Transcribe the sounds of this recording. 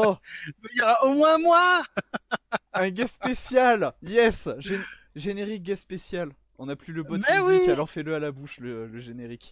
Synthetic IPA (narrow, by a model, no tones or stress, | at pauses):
ɔmɛjɔʁaomwɛ̃mwa | ɛ̃ɡaspesjaljɛsʒen | ʒeneʁik̚ɡaspesjal | ɔ̃naplyləbɔt̪ɛwiialɔʁfɛləalabuʃlələʒeneʁik